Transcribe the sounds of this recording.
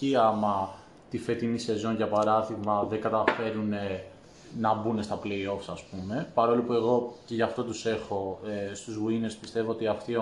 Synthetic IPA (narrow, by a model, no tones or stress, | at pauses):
iɐmɐ | t̪ife̞t̪inise̞zo̞ɲʝɐpɐɾɐðiɣmɐðeŋɡɐt̪ɐfe̞ɾune̞ | nɐbune̞st̪ɐple̞io̞fsɐspume̞pɐɾo̞lupue̞ɣo̞ceʝɐft̪o̞t̪use̞xo̞st̪uzvuine̞spist̪e̞voot̪iɐft̪i